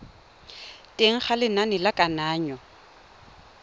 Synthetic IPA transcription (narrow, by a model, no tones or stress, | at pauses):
tʼeŋ̩χalɪnanɪlakʼanaːɲɔ